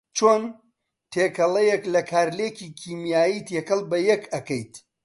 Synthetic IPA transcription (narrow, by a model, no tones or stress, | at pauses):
t͡ʃʰoːn | tʰeːkʰɐlɐjeklɐkʰaːɾleːkiːkʰiːmjaːjit̪ʰjekɐlˠbɐjɛkɐkɐjt̪